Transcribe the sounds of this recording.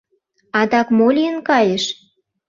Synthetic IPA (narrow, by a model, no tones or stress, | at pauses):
ɑd̪ɑkmolʲiənkɑjeʃ